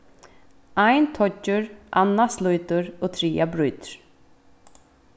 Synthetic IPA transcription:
ajnt̪ʰɔt͡ʃːʊɾʔanːaslujt̪ʊɾoːt̪ʰɾiːabɾujt̪ɾ̥

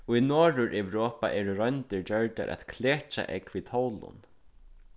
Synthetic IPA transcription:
ɔinɔːɾʊɾʔɛwɾoːpa̰ʔɛːɾʊɾɔjnt̪ɪɹt͡ɕœɹt̪a̰ɾʔɛ̰t̪kʰleːht͡ʃa̰ʔɛkʋiːt̪ʰɔwlʊ̰n

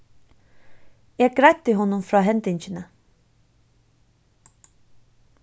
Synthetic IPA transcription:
jɛːɡ̚ɡɾæɪt̪əɦɔnːʊmfɾɑːɦɛnt̪ɪɲçənə

